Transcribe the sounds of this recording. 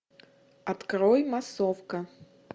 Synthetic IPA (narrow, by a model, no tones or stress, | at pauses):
at̪kɾɔjmasɔfkɐ